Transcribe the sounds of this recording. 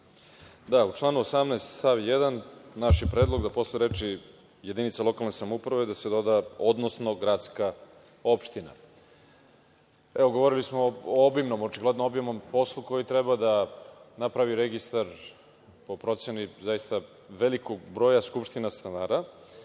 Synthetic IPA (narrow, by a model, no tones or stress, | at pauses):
d̪aut͡ʂlˠaːnuosamnaest̪saʋjed̪annaʃjepɾeːd̪lˠo̞ɡd̪apo̞sleɾet͡ʃi | je̞d̪init̪salo̞kalnesamoupɾaʋed̪ased̪o̞d̪ao̞d̪no̞sno̞ɡɾat̪ska | o̞pʃt̪ina̰ | eʋoɡo̞ʋo̞ɾilismoobimno̞mot͡ʃiɡle̞d̪noobimnompo̞slˠuko̞jit̪ɾebad̪anapɾaʋiɾeɡist̪aɾ | po̞pɾo̞t̪se̞nizajist̪a | ʋe̞liko̞ɡbɾo̞ːjaskupʃt̪inast̪anaːɾa